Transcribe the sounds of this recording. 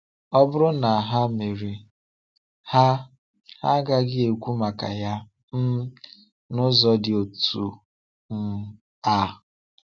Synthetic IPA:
ɔ˦bʊ˦ɾʊ˦na˨a˨ɦa˦me˨ɾi˨ | ha˦ | ha˦ɡa˦ɡɪ˦e˨kʷu˦ma˨ka̰˨ja˦ | m̩˦ | nʊ˦zɔ˦dɪ˨o˨tu˨ | n̩˦ | a˦

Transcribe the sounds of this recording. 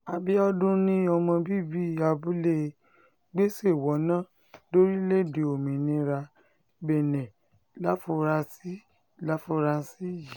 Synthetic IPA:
a˧bi˦ɔ˦dũ˦nĩ˦ɔ˧mɔ̃˧bi˦bi˦˨a˧bu˦le˦˧ | ɡ͡be˦se˦˨wɔ˨˦nã˦ | do˦ɾi˦le˦˨de˨o˨mĩ˨nĩ˧ɾa˧ | bɛ˨nɛ̃˨ | la˦fo˧ɾa˧si˦ | la˨˦fo˧ɾa˧˦si˦˨ji˨

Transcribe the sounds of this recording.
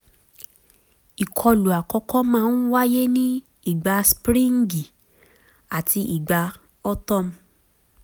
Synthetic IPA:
i˨kʰɔ˧lu˨a˨kɔ˧kɔ˦mãː˦˧˦n˦wa˦je˦nĩ˦ | i˦˨ɡ͡ba˧spɾĩ˦ŋ̩˦ɡi˨ | a˨tʰi˧ʔi˨ɡ͡ba˧ | ɔ˦tɔ˦m̩˧˦

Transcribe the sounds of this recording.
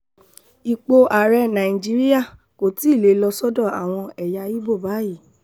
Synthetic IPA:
i˨k͡po˧ʔa˨ɾɛ˧nã˨ĩ˨d͡ʒi˦ɾi˦ja˦˨ | ko˨ti˦i˦˨le˨˦lɔ˧sɔ˦dɔ̃˦˨a̰˨w̃ɔ̃˧ɛ˨ja˧i˦bo˦˨ba˨˦ji˦˨

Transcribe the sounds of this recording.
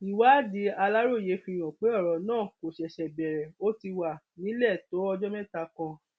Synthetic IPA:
i˨wa˨˦di˨˦a˧la˦ɾo˦˨je˨˦fĩ˧j̃ɔ̃˨k͡pe˨˦ɔ˦˨ɾɔ˨˦nãː˦˨ko˨ʃɛ˨ʃɛ˨bɛ˨ɾɛ˨o˦ti˧wa˨ | nĩ˨˦lɛ˦˨to˨˦ɔ˧d͡ʒɔ˦mɛ̃˦˨ta˧kã˧

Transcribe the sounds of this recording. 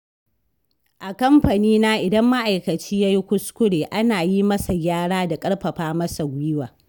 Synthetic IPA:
ʔa˨kɐ˦mɸɐ˨niː˦na˦ʔɪ˨dɐ˦mːa˦ʔa˨jkɐ˨t͡ʃiː˦ja˦ji˦kʷʊ˦skʷʊ˦ɽeː˨ʔa˦naː˨ji˦mɐ˦sa˨jʲaː˦ɽaː˦da˨kʼɐ˦ɽɸɐ˨ɸaː˦mɐ˦sa˨ɡʷɪ˦waː˨

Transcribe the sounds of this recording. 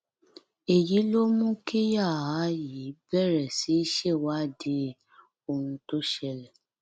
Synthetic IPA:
e˨ji˨˦lo˦mũ˦ke˦ja˦˨a˨˦ji˨˦bɛ˦˨ɾɛ˨si˨˦i˦ʃɛ˦˨wa˦˨de˧˦ | o˧hũ˧to˦ʃɛ˧lɛ˨

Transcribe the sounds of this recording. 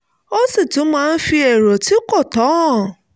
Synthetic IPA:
o˦si˦˨tũ˨˦mãː˦˧n̩˦fi˧ɛ˨ɾɔ˨ti˦kɔ˦˨tɔ˨˦ɔ̃˦˨

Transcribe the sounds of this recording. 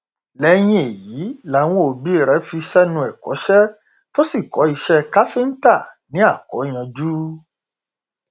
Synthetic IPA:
lɛ˨˦j̃ĩ˦e˨ji˨˦la˨˦w̃ɔ̃˦o˨˧˨bi˦˨ɾɛ˨˦fi˧ʃɛ˦nũ˧ɛ˨kɔ̰˨˦ʃɛ˦ | to˦si˦˨kɔ˨˦i˧ʃɛ˦ka˦fi˦n̩˦ta˦˨nĩ˨˦a˦˨kɔ̰˨˦j̃ã˧d͡ʒuː˦

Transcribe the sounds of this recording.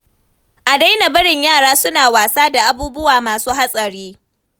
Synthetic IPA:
ʔa˨da˦jna˨bɐ˦ɽɪ˨ɲjaː˦˨ɽaː˦sʊ˦naː˨waː˨saː˦da˨ʔa˦buː˦bʊ˦waː˨maː˨suː˦ɦa˦sʼɐ˨ɽiː˦

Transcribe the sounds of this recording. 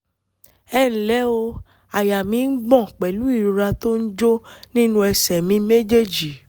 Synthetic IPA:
ɛ˦˨n̩˨lɛ˨˦o˧ | a˨ja˨mĩ˨˦n̩˦ɡ͡bɔ̃˦˨k͡pɛ˨lu˨˦i˦˨ɾu˨ɾa˧to˦n̩˦d͡ʒo˦nĩ˦nũ˦ɛ˧sɛ˨mĩ˨˦me˦d͡ʒe˦˨d͡ʒi˨

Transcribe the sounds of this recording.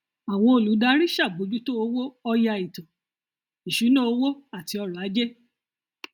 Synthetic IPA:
a˨wɔ̃˧˦o˨lu˨˦da˦ɾĩ˦ʃa˦˨bo˨˦d͡ʒu˦to˦o˧˦wo˦ɔ˧ja˧i˨tɔ̃˨ | i˨ʃu˨˦nõ˦o˧wo˦a˦˨ti˧˦ɔ˧ɾɔ˨a˨˦d͡ʒe˦

